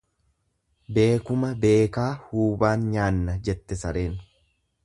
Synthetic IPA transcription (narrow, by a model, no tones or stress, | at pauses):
be̞ːkʊmɐbe̞ːkaːhuːbaːnɲaːnːɐd͡ʒɛt̪ːɛsɐɾe̞ːn